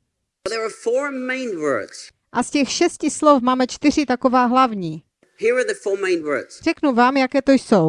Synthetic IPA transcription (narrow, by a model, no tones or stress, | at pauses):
ðəɹafɔːɹmẽɪ̃nwɜ̰˞dz̥ | ʔascɛxʃɛscɪslofmaːmɛt͡ʃt̪ɪr̝ɪt̪akovaːɦlavɲiː | hiɹəðəfɔːɹmẽɪ̃nwɜ˞dz̥r̥ɛknuvaːmjakɛːt̪ojsow